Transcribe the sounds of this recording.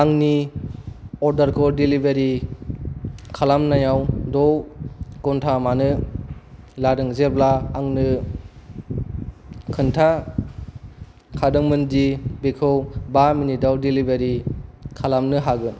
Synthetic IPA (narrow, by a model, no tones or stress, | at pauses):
aŋni | ɔɾdaɾkʰɔdilibeɾi | kʰalamnajawdɔwkɔntʰamanɯ | ladɯŋzeblaːŋnɯ | kʰɯntʰa | kʰadɯŋmɯndibekʰɯwbaminidawdilibeɾikʰalamnɯɦaɡɯ